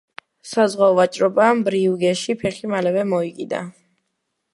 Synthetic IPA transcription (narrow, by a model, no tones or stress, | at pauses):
sazʁaɔvat͡ʃʼɾɔbʼambɾiuɡɛʃipʰɛχimalɛvɛmɔikʼḭd̪a̰